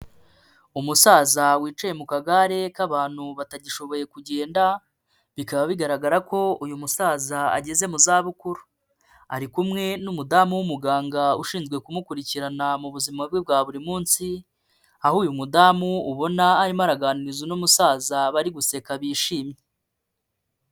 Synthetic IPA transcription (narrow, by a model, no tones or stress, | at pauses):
umusaːzawiːt͡ʃaje̞mukaɡaɾe̞kaβaːn̥huβataɟiʃo̞βo̞je̞kuɟeːnda | βikaβaβiɡaɾaɡaɾako̞ujumusaːzaa̰ɟe̞ze̞muzaːβukuɾu̥ | a̰ɾikumŋe̞numudamuwumuɡaːŋɡauʃiːnzɡwe̞kumukuɾiciɾanamuβuzimabɡeb̚ɡaːβuɾimuːnsi | ahuːjumudamuuβo̞naːɾimaɾaɡaːniɾizunumusaːzaβaɾiɡuse̞kaβiːʃiːmɲe